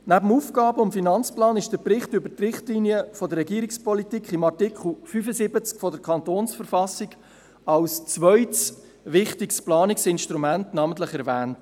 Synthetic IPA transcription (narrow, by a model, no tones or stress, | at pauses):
næbəm̩uːfɡ̥ɑːbəʊmfinɑnt͡splɑːnɪʃd̥əpɾɪχtʏbəɾtrɪχtliniəfɔdəɾːɛɡiːɾikspɔlitikʰχɪmɑrtɪkʰχl̩ˠfyfəsɪbət͡skfɔdəɾkʰɑntoːnsfəɾfɑsɪɡ | ɑlst͡svœʏts | ʋɪχtɪksplɑːnɪksɪnʃtɾumæntnɑːmənt̬ləχɛɾvæːnt